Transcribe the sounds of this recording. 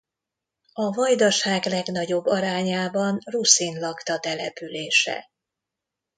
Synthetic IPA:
ɒvɒjd̪ɒʃaːɡlɛɡnɒɟo̞bːɒɾaːɲaːbɒnrusinlɒkt̪ɒt̪ɛlɛpyleːʃɛ̰

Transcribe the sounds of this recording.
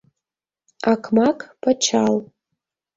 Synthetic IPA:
akʰmakʼpʰʼat͡ʃʰal

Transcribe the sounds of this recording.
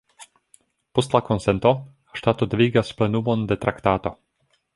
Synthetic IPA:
post̪lako̞nsent̪o̞ | ʃtat̪od̪viːɡasplenumond̪et̪ɾʔakt̪aːt̪o

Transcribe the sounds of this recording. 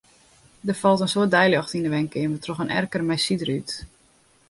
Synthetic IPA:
dərfɔlˠtənsoət̚dɛjljɑxtindəʋɛŋkɪnʋətʰrɔxənɛ̰rkərmɛjsidəryt

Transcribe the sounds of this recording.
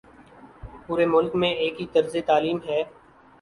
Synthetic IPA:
puːɾemʊlkmẽeːkɦit̪əɾzet̪aːliːmɦɛː

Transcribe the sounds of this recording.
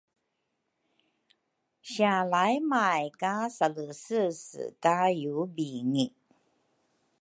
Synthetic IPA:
ɕjalajmajkasaləsɨsɨ̰kajubiŋi

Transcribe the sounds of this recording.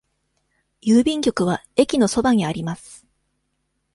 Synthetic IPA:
jɯːbʲĩŋkʲo̞kɯ̟β̞ae̞kʲino̞so̞baɲ̟iaɾʲimasɨ̥

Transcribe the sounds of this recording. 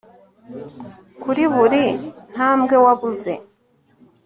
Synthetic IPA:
kuɾiβuɾin̥amɡɛwaβuzɛ

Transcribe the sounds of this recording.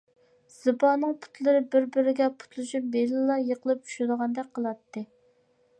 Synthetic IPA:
z̥ɨbɑnɨŋpʰu̥t̪lˠɨɾɨbɪɾbɪɾɪɡʲɛpʰu̥t̪lˠuʃɨp̚belɪlˠɑjeqəlˠɨp̚t͡ʃʰu̥ʃd̪əʁɑnd̪ɛk̚ʲqʰəlˠɑt̪ːɨ

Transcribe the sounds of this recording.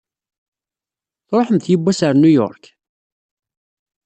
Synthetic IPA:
θɾˤoħəmθjəbːæsəɾnujɔ̰ɾˤk

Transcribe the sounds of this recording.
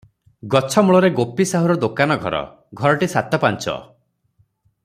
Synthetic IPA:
ɡɔt͡ʃʰɔmuɭɔɾeɡopisaɦuɾɔd̪okanɔɡʱɔ̰ɾɔ̰ | ɡʱɔɾɔʈisat̪ɔpant͡ʃɔ̰

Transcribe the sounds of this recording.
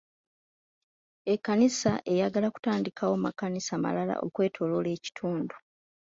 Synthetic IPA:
ekːanisaʔe̞jaɡalaku̥taːndikʰawomakanisama̰lala̰ʔo̞̰kwe̞ːtʰo̞lole̞ːci̥tʰuːndu

